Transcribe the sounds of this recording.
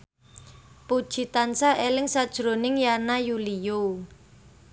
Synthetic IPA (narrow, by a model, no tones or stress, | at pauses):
pud̥ʒ̥i̤t̪ansaʔelɪŋsad̥ʒ̥ɾo̤nɪŋjanajulijo